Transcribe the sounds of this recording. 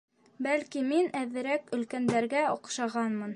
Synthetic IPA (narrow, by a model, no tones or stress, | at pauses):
bælkiminæðɘ̆ɾækɵ̆lkænd̪æɾɡæŏqʃɑʁɑnmɤn